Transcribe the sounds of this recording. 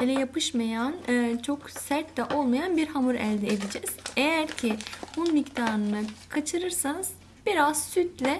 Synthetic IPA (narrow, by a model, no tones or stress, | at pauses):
elʲɛjapʰɯʃmajanɯːt͡ʃʰo̞ksæɾt̪lɛʔo̞lˠmajanbiɾhamuɾæ̰lʲd̪ɛed̪id͡ʒɛz̥ejæɾcʰihunmict̪ʰaːnɯnakʰat͡ʃʰɯɾɯɾsanɯz̥ | b̥iɾaz̥syt̪lʲɛ